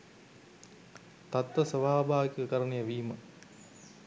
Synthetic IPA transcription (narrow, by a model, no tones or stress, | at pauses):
t̪at̪ʋəsəʋaːbʱaːʋikikəkəɾənejəʋiːmə